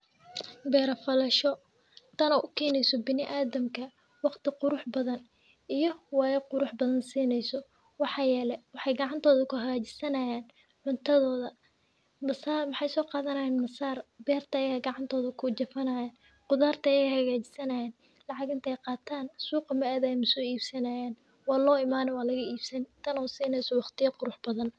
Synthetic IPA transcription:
bɛːɾɐfɐlɐʃɔ | t̪ʰɐnɔʔʊkʰɛːnɛjsɔbɪnɪʔaːðɐmkʰɐ | wɑqt̪ʰɪqʊɾʊħbɐðɐn | ʔijɞwɑːjɐqʊɾʊħbɐðɐnsiːnɛjsɔ | wɑħɑːjɛːlɛwɑħɑjɡɑʕɑnt̪ʰɔːðɐkʰʊɦɐɣaːt͡ʃɪ̥sɐnɐjaːn | ʕʊnt̪ʰɐðɔːðɐ | mɐsaːrmɑħɑjsɔːqɑːðɐnɐːjɛːnmɐsaːrbɛːrt̪ʰɐːjaːɡɑʕɑnt̪ʰɔːðɐkʰʊd͡ʒɐfɐnaːjaːn | qʊðaːrt̪ʰɐjɛjhɐɣaːt͡ʃɪ̥sɐnɐjɛːn | lɑʕɑɡɪnt̪ʰɐɛjqɑːt̪ʰaːnsuːqɐmɐaːðajmʊsɔːiːbsɐnaːjaːn | wɑːlɔːɪmaːnɔwɑːlɐɣɐiːbsɐnt̪ʰɐnɔːsiːnɛjsɔwɑχt̪ʰɪjɐqʊɾʊħbɐðɐn

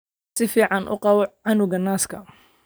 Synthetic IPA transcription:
sɪfiːʕɑnʔʊ̰qɑwɔʕɑnʊɣɐnaːskʰɐ̰

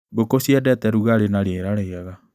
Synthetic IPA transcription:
bokosiɛdɛtɛɾuɣaɾenaɾeɾaɾɛaɣa

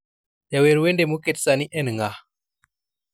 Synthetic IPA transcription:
jaweɾwendemuketsaniʔɛnŋɡa

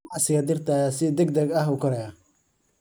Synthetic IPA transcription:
ʕsɪɣɐd̪ɪrt̪ʰasɪd̪ɛɡd̪ɐɡɐɦukʰɐɾɛjɐ

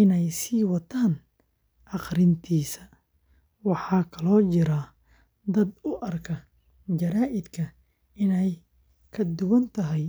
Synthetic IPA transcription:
ɪnɛjsiːwɐt̪ʰaːn | ʔɑqɾɪnt̪ʰiːsɐ | wɑħɑːkʰɐlɔːt͡ʃɪɾɐ | d̪ɐd̪ʊʔɐrkʰɐ | d͡ʒɐɾaːʔɪd̪kʰɐ | ɪnɛj | kʰɐd̪ʊwɐnt̪ʰɐɦɛj

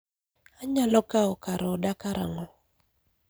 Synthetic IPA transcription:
aɲalɔkaɔkaɾɔdakaɾa̰ŋɔ

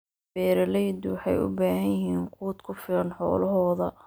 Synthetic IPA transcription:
b̥ɛːɾɐlɛjd̪ʊwɑħɑjʊ̰baːɦɐjɪɦiːŋkʰuːd̪kʰʊfɪlɐnħɔ̰ːlɐɦɔːðɐ

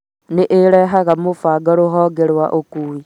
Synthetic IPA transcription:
neʔeɾeɦaɣamofaɡaɾoɦɔɡeɾwaʔokui

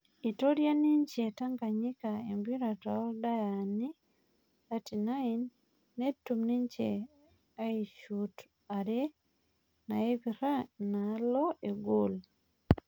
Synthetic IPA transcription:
itoɾjaniɲt͡ʃetaŋɡaɲikaembiɾataɔdajani | datinainː | etːumniɲt͡ʃḛ | aiʃut | aɾe | naeβiɾanalɔeɡol

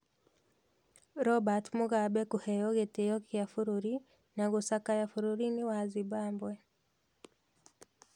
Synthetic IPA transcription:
ɾɔbatmuɣabɛkuhɛjɔɣetejɔkijafuɾuɾi | naɣusakajafuɾuɾiniwazibaːmbwɛ

